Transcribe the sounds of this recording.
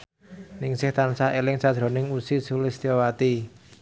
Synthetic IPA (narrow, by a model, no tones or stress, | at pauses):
nɪŋsɪht̪ansaelɪŋsad̥̪ɾo̤nɪŋusi̥z̥ulɪst̪iowat̪i